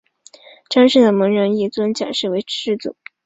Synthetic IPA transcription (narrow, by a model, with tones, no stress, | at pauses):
ʈ͡ʂa˥nʂə˥˩d̪ə˩mɤ˧˥ŋɻə˧˥ŋi˥˩t͡swə˥nt͡ɕja̰˨˩nʂɻ̩˥˩we˧˥ɪʈ͡ʂɻ̩˥˩t͡sṵ˨˩˦